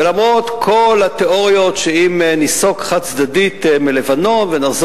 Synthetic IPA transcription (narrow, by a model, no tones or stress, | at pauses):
elamʁo̞t̪kʰolat̪eo̞ʁjo̞t̪ʃeimniso̞kχatt͡sd̪adit̪milevano̞nvenaχz